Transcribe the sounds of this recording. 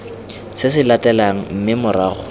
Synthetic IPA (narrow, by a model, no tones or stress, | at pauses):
sɪsɪlatʼɛlaŋ̩m̩mɪmʊraːɣʊ̰